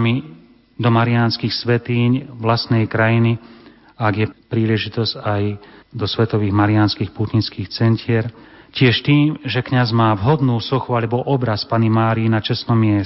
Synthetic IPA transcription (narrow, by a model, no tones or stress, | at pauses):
mi | d̪ɔmaɾianskiːxsʋɛt̪iːɲʋlast̪nɛjkɾajini | aɡjɛpɾiːlɛʒit̪ɔzɟajd̪ɔsʋɛt̪ɔʋiːɣmaɾianskiːxput̪ɲinskiːxt͡sɛncɪɛɾcɪɛʃt̪iːmʒɛkɲazmaːʋɦɔd̪nuːsɔxualɛbɔʔɔbɾaspanimaːɾiinat͡ʃɛsnɔmɪɛ